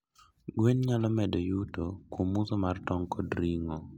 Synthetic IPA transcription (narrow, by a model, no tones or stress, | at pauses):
ɡwenɲalɔmɛdɔjutokwomːusomartɔŋkɔdɾiŋɔ